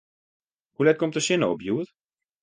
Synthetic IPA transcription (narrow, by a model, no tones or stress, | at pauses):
hulɛt̪̚kɔmt̪əʃɪnobjuːət